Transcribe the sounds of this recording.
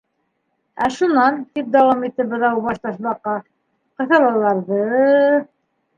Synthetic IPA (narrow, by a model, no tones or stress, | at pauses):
æʃunɑnt̪ip̚d̪ɑwɑmit̪ːɘbɤ̆ðɑubɑʃt̪ɑʃbɑqːɑ | qɤ̆θɤ̆lˠɑlˠɑɾðɤ